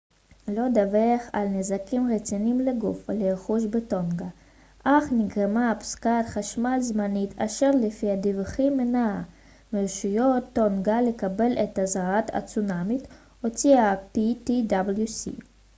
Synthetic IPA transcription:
lod̪aveχa̰lnezakimʁet͡sinimleɡufleeχuʃbet̪onɡa | ʔaχniɡʁemapskatχaʃmalzmanit̪aʃeʁlefiad̪ivχimːenaa | meʃujot̪ːonɡalekabe̞let̪azaʁat̪a̰t͡sunamit̪ | hot͡siapit̪id̪abljusḭ

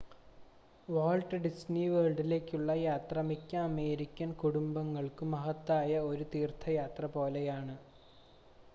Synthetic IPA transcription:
ʋaːɭɖɨɖisniʋeːɭɖile̞ːkʲːuɭːɐjaːt̪rɐmikʲːɐːme̞ːɾikʲːɐnkuɽumbɐŋːɐɭkɨmɐɦɐt̪ːaːjɐo̞ɾut̪iːrt̪ʰɐjaːt̪rɐpo̞ːlejaːɳɨ

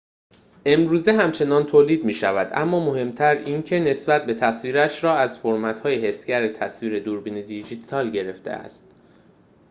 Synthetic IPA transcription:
ʔe̞mɾuːzeɦæmt͡ʃʰe̞nɒːnt̪ʰoːliːd̪miːʃævæd̪ʔæ̰mːɒːmo̞he̞mt̪ʰæɾiːncʰe̞ne̞sbæt̪̚be̞t̪ʰæsviːɾæʃɾɒːæzfoɾmæt̪hɒːjehe̞sɡɟæɾet̪ʰæsviːɾed̪uːɾbiːned̪id͡ʒiːt̪ʰɒːlɟe̞ɾe̞ft̪ʰḛæ̰st̪̚

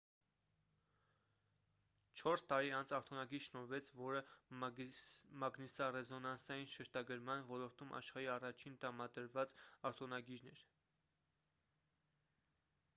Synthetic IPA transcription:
t͡ʃʰɔɾst̪ɑɾiɑnt͡sʰɑɾt̪ʰɔnɑɡiɾʃnɔɾvɛt͡sʰvɔɾə | mɑɡnisɑrɛzɔnɑnsɑjinʃəɾt̪ɑɡəɾmɑnvɔlɔɾt̪umʔɑ̰ʃχɑɾiɑrɑt͡ʃʰint̪əɾɑmɑd̪əɾvɑt͡sɑɾt̪ʰɔnɑɡiɾnɛɾ

